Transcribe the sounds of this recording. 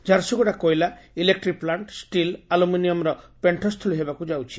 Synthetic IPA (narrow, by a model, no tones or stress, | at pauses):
d͡ʒaɾsɔɡuʈakojlailek̚ʈɾik̚plaɳʈsʈilaluminiɔmɾɔpeɳʈʰɔst̪ʰuliɦebakud͡ʒawt͡ʃʰi̥